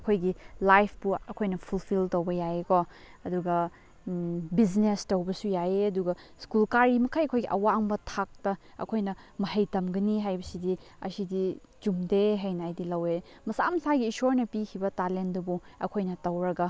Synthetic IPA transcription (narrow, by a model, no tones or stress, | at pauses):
ɐkʰojɡilajpʰbuɐkʰojnɐpʰulpʰiltɐwbɐjajeko | ɐduɡɐ | bid͡ʒnestɐwbɐsujaeɐduɡɐ | skulkaɾimɐkʰajɐkʰojɡiʔɐwaŋbɐtʰak̚tɐ | ɐ̰kʰojnɐ | mɐhɐjtɐmɡɐniɦajbɐsidi | ɐ̰sidi | d͡ʒumdeɦɐjnajdilɐwe | mɐsamɐsaɡiːsoɾnɐpikʰibɐtalendɐbuɐ̰kʰojnɐtɐwɾɐɡɐ